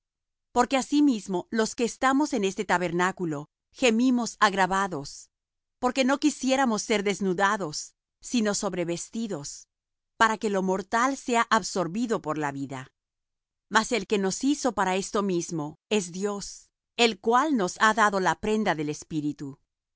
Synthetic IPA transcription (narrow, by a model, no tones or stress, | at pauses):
po̞ɾke̞asimizmo̞lo̞ske̞ːst̪amo̞se̞ne̞st̪et̪aβe̞ɾnakulo̞ | xe̞mimo̞saɣɾaβaðo̞s | po̞ɾke̞no̞kisje̞ɾamo̞sːe̞ɾðe̞znuðaðo̞sː | ino̞so̞βɾe̞βe̞st̪iðo̞s | paɾake̞lo̞mo̞ɾt̪alse̞aʔaβso̞ɾβiðo̞po̞ɾlaβiða | mase̞lke̞no̞siso̞paɾae̞st̪o̞mizmo̞e̞zðjo̞s | e̞lkwalno̞saðaðo̞lapɾe̞nd̪aðe̞le̞spiɾit̪u